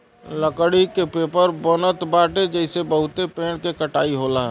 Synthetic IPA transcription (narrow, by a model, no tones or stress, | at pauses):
ləkɽikepeːpəɾbonət̪baːʈed͡ʒɛɪsebəɦʊt̪epeːɽ̃kekəʈaːiɦoːlaɦɛ